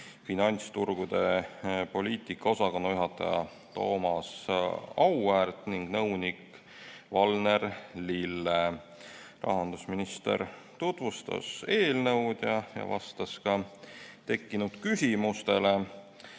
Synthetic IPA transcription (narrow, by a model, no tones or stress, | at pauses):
finɑnʲt̪st̪urɡ̥ud̪̥e̞po̞lʲiːt̪ˑikːɑo̞sɑko̞nːojuɦɑt̪ːˑɑ̰jɑ̰ | t̪o̞̰ːmɑsɑwært̪niŋɡ̥nɤwnik | vɑlne̞rlilːe | rʔɑ̰ɦɑnd̪̥usminist̪ḛɾ | t̪ut̪vust̪ɑ̰se̞ːlnɤ̞wd̪̥jɑjɑ̰vɑ̰st̪ɑskɑt̪e̞kːinud̪̥kysʲimust̪e̞le